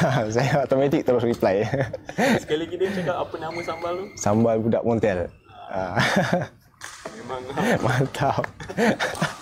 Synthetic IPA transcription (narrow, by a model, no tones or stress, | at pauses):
s̬ajaot̪omãt̪ik̚t̪əɾʊsriplaj | sə̥alaɡidət͡ʃakapapənaməsambalt̪usambalbuda̰ʔmɔnt̪ɛl | a | emaŋmat̪ʰaw